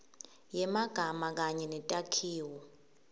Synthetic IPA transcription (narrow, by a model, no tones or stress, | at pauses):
jɛmaɡ̥ʱamak̬aɲɛnɛtʼakʰiːwɔ